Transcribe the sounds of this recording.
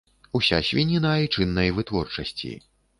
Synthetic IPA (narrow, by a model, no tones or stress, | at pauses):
usʲa̰sʲvʲinʲinait͡ʂɨnːɐjvɨt̪vɔrt͡ʂɐsʲt͡sʲḭ